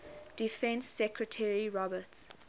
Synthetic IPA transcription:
d̥ifɛ̃nsːɛkʰɹətʰɛɹiɹɔbəts

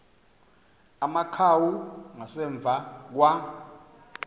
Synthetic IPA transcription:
amakʰawuŋasɛɱb̪vʱak̬wa

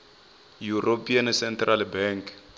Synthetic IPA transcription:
juropʰʼiansɛntralbɛŋk

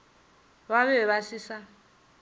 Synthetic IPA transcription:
βaβɛβasisa

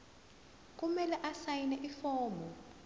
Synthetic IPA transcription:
k̬ʼumɛlɛʔasajinɛʔifɔːmɔ

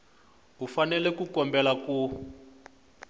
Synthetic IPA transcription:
ɦufanɛlɛkukɔmbɛlaku

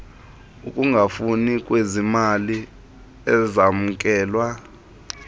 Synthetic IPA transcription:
ukʼuŋɡʱafunikʼwezimali | ɛzamuk̬ʼɛːlwa

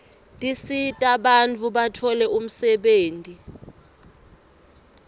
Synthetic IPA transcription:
tʼisitʼaɓant͡fʰuɓatʰɔlɛum̩sɛɓeːntʼi

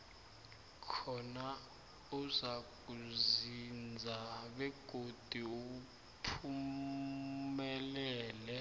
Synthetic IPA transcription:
kʰɔna | uzak̬ʼuzind͡zʱaɓɛɡ̥ʱod̥ʱiuu | pʰu | mɛlɛːlɛ

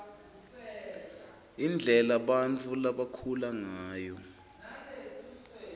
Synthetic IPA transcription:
ind͡ɮʱɛlaɓantʰʼulaɓakʰulaŋaːjɔ

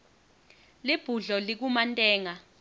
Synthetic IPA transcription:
lib̥ʱuɮɔlik̬umantʼɛːŋa

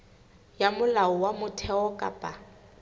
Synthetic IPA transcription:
jamʊlaɔwamʊtʰɛɔkʼa̰pʼa

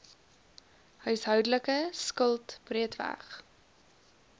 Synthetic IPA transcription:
hœɥsɦœwdələkəskəlˠtb̥riətvæ̰χ

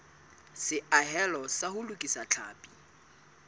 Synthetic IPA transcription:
sɪʔaɦɛlɔsahʊlukʼisat͡ɬʰaːpʼi̥

